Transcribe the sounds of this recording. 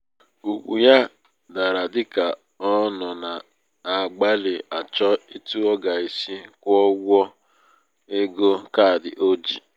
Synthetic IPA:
u˨k͡pṵ˨ja˦ | da˨ɾa˨dɪ˦ka˨ | ɔ˦nɔ˨na˨ | a˨ɡ͡ba˦lɪ˨a˨t͡ʃɔ˦i˦tu˦ɔ˦ɡa˨i˨si˦kʷɔ˦ɡɔ˦ | e˦ɡo˦ka˦˨dɪ̰˨ʔo˦d͡ʒi˨

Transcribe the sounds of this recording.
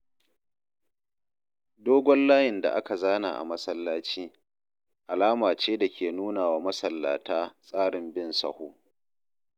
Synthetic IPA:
doː˦ɡʷɔ˦nlaː˦jɪ˨nda̰˨ʔa˦ka˨zaː˦na̰ː˨ʔa̰˨mɐ˦sɐ˦lːaː˦t͡ʃiː˦ | ʔa˨laː˦maː˨t͡ʃeː˦da˨kʲeː˨nuː˦naː˨waː˦mɐ˦sɐ˨lːa̰ː˨taː˦sʼaː˦ɽɪ˨mbɪ˦nsɐ̰˨hoː˦

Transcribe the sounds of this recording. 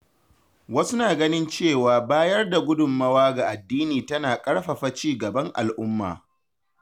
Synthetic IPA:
wɐ˦su˦naː˨ɡɐ˦nɪ˦nt͡ʃeː˦˨waː˨baː˦jɐ˦rda˨ɡʷʊ˦dʊ˨mːɐ˦waː˦ɡa˨ʔa˨dːiː˦niː˨tɐ˦naː˨kʼɐ˦ɽɸɐ˨ɸa˨t͡ʃiː˦˨ɡɐ˨bɐ˦ŋʔa̰˨lʔʊ˦mːa̰ː˨

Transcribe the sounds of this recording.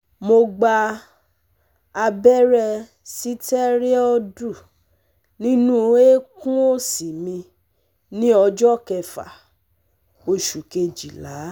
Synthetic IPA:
mo˧ɡ͡ba˧ | a˧bɛ˦ɾɛ˧ | si˦tɛ˦ɾe˦ɔ˧du˦˨ | nĩ˦nũ˦e˦kũ˦o˦si˨mĩ˧ | nĩ˦ɔ˧d͡ʒɔ˦˨kɛ˧fa̰˨ | o˧ʃu˨ke˧d͡ʒi˨la˨˦

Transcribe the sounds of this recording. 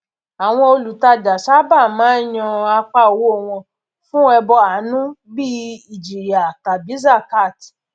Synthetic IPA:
a˨w̃ɔ̃˧o˧lu˨ta˧da˨sa˦ba˦˨mãː˨˦j̃ɔ̃˧a˧k͡pa˧˦o˨wo˦o˦˨w̃ɔ̃˧ | fũ˦ɛ˧bɔ˧a˨˦nũ˦bi˦i˨d͡ʒi˨ɾi˨a˨ta˨bi˨˦za˦˨ka˦˨ti̥˨

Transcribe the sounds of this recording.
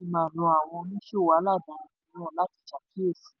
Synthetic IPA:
i˧mãː˨nɔ̃˧a˨w̃ɔ̃˧nĩ˦ʃo˦˨wa˨˦la˦˨dã˨i˨nɔ̃˦˨la˦ti̥˨t͡ʃa˨kʰe˦˨si̥˨

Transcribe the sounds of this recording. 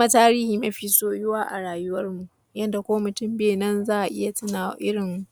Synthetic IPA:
kma˦taː˦ɾiː˦hiː˨mɐ˦ɸiː˦soː˦˨jʊ˦waː˦ʔa̰˨ɽaː˨jʊ˦wɐ˦rmu˨ʔ | jɐ˦nda˨kʷoː˦mʊ˨tʊ˦mbeː˨nɐ˦nzaː˦ʔa˨ʔɪ̰˦ja˨tɪ˦na̰ː˨˦ʔɪ˦ɽɪ˨mːu˨ʔ

